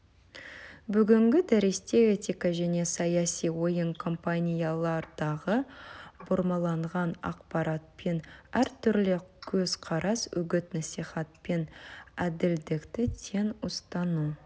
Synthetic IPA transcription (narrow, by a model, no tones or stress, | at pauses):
bʏɡʲɪŋɡʲɪd̪æɾest̪e̞et̪ikaʒæne̞sɑjɑsijwo̞jəŋkʰo̞mpanʲijalˠɑɾd̪ɑʁəbʊɾmɑlˠɑɴʁɑnɑ̰qpɑɾɑt̪̚pe̞næɾt̪ʰʏɾlɪkʲʰɵz̥qʰɑɾɑsɵ̰ɡʲɪt̪nɑsijχɑt̪̚pe̞næd̪ɪld̪ɪkt̪ɪt̪ʰe̞nʊst̪ɑnu